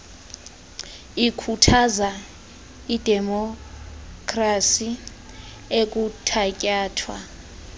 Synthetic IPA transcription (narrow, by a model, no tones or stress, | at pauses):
ikʰutʰaza | id̥ʱɛmɔ | kʰʼrasi | ek̬ʼutʰacʼaːtʰwa̰